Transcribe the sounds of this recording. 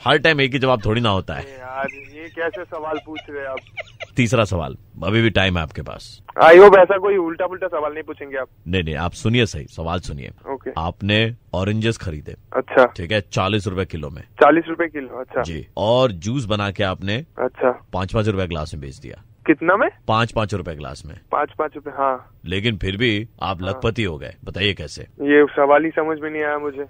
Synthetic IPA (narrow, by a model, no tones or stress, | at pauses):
hɐɾʈaːɪmeːk̬id͡ʒɐbaːp̚t̪ʰoːɽinɐɦoːt̪a̰ɦɛ̰ɦaɾjekɛːsesɐʋaːlpuːt͡ʃʰɾɐeaːp̚t̪iːsɾasɐʋa̰ːlɐbʱibʱiʈaːɪmɦɛa̰ːp̚kepa̰ːsa̰ːiʋopɛːsakoːiʊlʈaʊlʈasɐʋaːlnɐɦĩpuːt͡ʃʰẽːŋɡeaːp̚nɐɦĩnɐ̃ɦĩa̰ːpsʊniesɐɦḭsɐʋaːlsʊnḭḛːoːkeaːpneɔːɾɪ̃ɲd͡ʒəsxɐɾiːd̪ḛːɐtːʃʰaʈʰiːkɛt͡ʃaːliːs̬ɾʊpekɪlomḛ̃t͡ʃaːliːsɾʊpekɪloɐtːʃʰad͡ʒḭːɔːɾd͡ʒuːsbɐnaːkeaːpneɐ̰tːʃʰapãːt͡ʃpãːt͡ʃɾʊpjeɡla̰ːsmẽbʱḛːt͡ʃʰd̪ḭja̰ː | kɪt̪namẽpãːt͡ʃpãːt͡ʃɾʊpjeɡla̰ːsmḛ̃pã̰ːt͡ʃpãːt͡ʃɾʊpeɦãː | leːk̬ɪnpʰɪɾbʱia̰ːplɐɡpət̪iɦoɡɐ̰ḛːbɐt̪aːiekɛːsḛjesɐʋaːlisɐməd͡ʒʱmẽnɐɦĩaːjamʊd͡ʒʱeː